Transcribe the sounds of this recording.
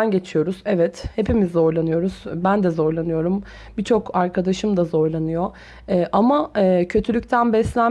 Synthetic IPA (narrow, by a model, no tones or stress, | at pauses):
anɟe̞t͡ʃʰijo̞ɾuz̥ɛvɛt̪hepimizːo̞ɾlˠanɯjo̞ɾuzbænd̪ɛzo̞ɾlˠanɯjo̞ɾum | bit͡ʃʰo̞kaɾkʰad̪aʃɯmd̪azo̞ɾlˠanɯjo̞ | ɛːʔamaɛːcʰø̞t̪ʰylʲycʲt̪ʰænbɛslʲæ